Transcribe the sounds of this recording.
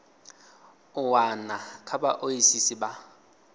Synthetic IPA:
ʊwanakʰabaʔoisisɪba

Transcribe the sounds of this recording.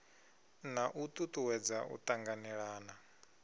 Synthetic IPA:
naʔut̪ʼut̪ʼuwɛd͡zaʔṵt̪ʼaŋɡanɛɺaːna

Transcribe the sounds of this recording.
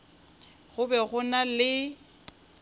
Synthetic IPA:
ɣʊbɛɣʊnalɪ

